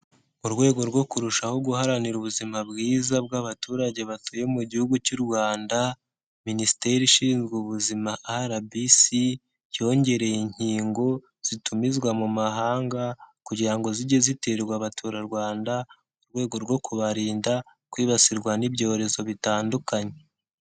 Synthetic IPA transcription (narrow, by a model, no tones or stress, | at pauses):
uɾwe̞ːɡo̞ɾɡo̞kuɾuʃaho̞ɡuhaɾaniɾuβuzimabɡiːzab̚ɡaβatuːɾaɟe̞βatuje̞muɟihuɡucuɾwaːnda | minisi̥te̞ɾiʃiːnzɡuβuzimahaɾabisi | jo̞ɲɟe̞ɾe̞jiɲ̥hiːŋɡo̞ | z̥itumizɡwamumaɦaːŋɡakuɟiɾaŋɡo̞ziɟeziteɾɡwaβatʰuɾaɾɡwaːnda | uɾɡwe̞ːɡo̞ɾɡwo̞kuβaɾiːnda | kwiːβasiɾɡwanibɟo̞ːɾe̞zo̞βitaːndukaɲe̞